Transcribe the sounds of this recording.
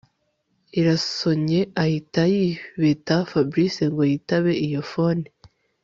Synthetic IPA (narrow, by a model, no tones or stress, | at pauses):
iɾaso̞ɲe̞ahitajiβetafabɾiseŋɡo̞jitaβe̞ʔijofoni